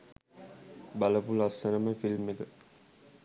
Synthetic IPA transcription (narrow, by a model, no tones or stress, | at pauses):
bɐləpulɐsɐnəməfilmekə